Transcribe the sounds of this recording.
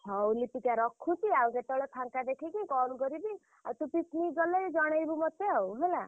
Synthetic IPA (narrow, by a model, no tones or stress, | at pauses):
hʰɔwlipikaɾɔkʰːut͡ʃiawket̪ɔɭepʰaŋkad̪ekʰikikɔluɡɔɾibi | awt̪upit̪niɡɔled͡ʒɔɽ̃ajbumɔt̪ːeɔwɦela